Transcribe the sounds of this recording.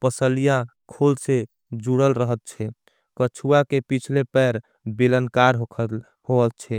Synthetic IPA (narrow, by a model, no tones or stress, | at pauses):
pəsəlija | kʰolse | d͡ʒuɽəlɾəɦət̪̚t͡ʃʰɛ | kət͡ʃʰuakepit͡ʃʰlepɛɾ | bilənkaɾɦo | hoəl̚t͡ʃʰɛ